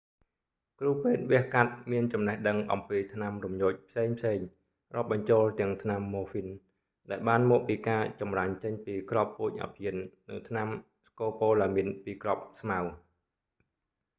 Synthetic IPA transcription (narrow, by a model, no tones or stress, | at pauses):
kruːpeːt̪̚ʋiəhkat̪̚miənt͡ɕɑmnəhɗəŋʔɑ̰mpiːt̪ʰnamrumjoːc̚pʰseːŋpʰseːŋ | rŏəp̚ɓɑɲt͡ɕoːlt̪ɛ̆əŋt̪ʰnamːoːfin | ɗaɛlɓaːnmɔːk̚piːkaːt͡ɕɑmraɲt͡ɕəɲpiːkrɑpːuːc̚ʔa̰pʰiənːɨŋt̪ʰnam | skoːpoːlamiənpiːkrɑp̚smaw